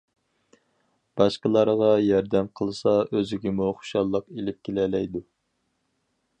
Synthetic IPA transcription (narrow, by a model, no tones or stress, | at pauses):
b̥ɑʃqəlˠɑɾʁɑjɑɾd̪ɛmqʰəlˠɨsɑøzɪɡʲɪmuχo̥ʃɑlˠːəqelɪp̚kʲʰelɛlɛjd̪u